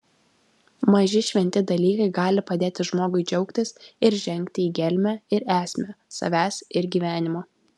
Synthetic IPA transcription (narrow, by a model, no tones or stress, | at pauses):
mɐʒʲɪʃʲʋʲɛnʲt̪ʲɪd̪ɐlʲiːkɐɪɡɑːlʲɪpɐd̪ʲeːt̪ʲɪʒmoːɡʊɪd͡ʒʲɛʊkt̪ʲɪsɪɾʒʲɛŋʲkʲt̪ʲɪiːɡʲɛlʲmʲæːɪɾæːsʲmʲɛsɐ̰ʋʲæːsɪɾɡʲiːʋʲæːnʲɪmoː